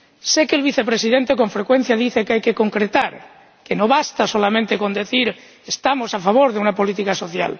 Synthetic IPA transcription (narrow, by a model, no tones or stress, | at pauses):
sekeːlβiθepɾesiðent̪eko̞ɱfɾekwen̟θjaðiθekeajkekoŋkɾet̪aɾ | kenoβast̪asolamẽnt̪eko̞nd̪eθiɾ | est̪amosafaβ̞oɾðeunapo̞lit̪ikaso̞θja̰l